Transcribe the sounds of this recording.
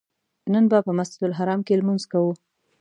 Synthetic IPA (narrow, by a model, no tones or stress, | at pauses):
nənbapəmasd͡ʒɪd̪ʊlɦaɾɑmkelmunzkawu